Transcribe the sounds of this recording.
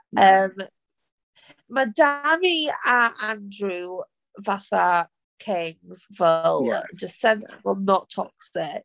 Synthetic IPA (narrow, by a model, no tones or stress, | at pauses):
ʔəm | maɪdamiaãndɹʉ | vaθə | kʰɪ̃ŋz̥vɪl̰ˠd͡ʒʌstsɛd̰vəlˠnətʰɔ̰ksɪʔ